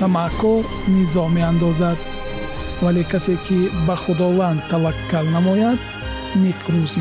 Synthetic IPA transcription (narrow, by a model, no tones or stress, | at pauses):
t̪ʰamakʰːɔɾ | nizɔmeand̪ɔzad̪̚ | valekʰasekʰibaχud̪ɔvand̪̚t̪ʰːavakʰːalnamɔjad̪ | niqʰɾuz